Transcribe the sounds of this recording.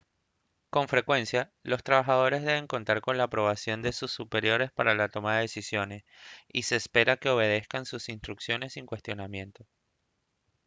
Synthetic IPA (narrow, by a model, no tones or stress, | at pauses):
ko̞ɱfɾe̞kwe̞nsjalo̞st̪ɾaβaxað̞o̞ɾe̞zðe̞β̞e̞ŋko̞nt̪aɾko̞nlaːpɾo̞β̞asjo̞nd̪e̞susːupe̞ɾjo̞ɾe̞spaɾalat̪o̞maðe̞ðesisjo̞ne̞sise̞ːspe̞ɾake̞o̞β̞e̞ð̞e̞skansusinst̪ɾuksjo̞ne̞siŋkwe̞st̪jo̞namjẽ̞nt̪o̞